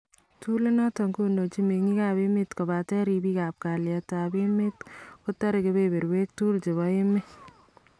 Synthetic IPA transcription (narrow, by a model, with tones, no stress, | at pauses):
tu˦le˦nɔ˦tɔ˨ŋko˦no˨t͡ʃi˦me˨ŋi˦ka˨bɪ˦mɪ˦tko˨ba˨tɛ˦ɾi˨bi˦ka˨p̚ka˨lja˨ta˨bɪ˦mɪ˦tkʊ˦tɔ˦ɾɪ˨ke˨be˦be˨ɾwe˦k̚tu˦lt͡ʃe˨βɔ˨ɪ˦mɪ˦